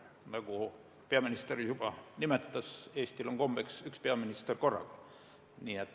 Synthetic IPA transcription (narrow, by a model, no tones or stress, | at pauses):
nɑku | peɑminist̪erisupɑnimet̪ːæseːst̪iloŋɡ̥omb̥eksykspeɑminist̪erkorɑ̰kɑ̥ | niːet̪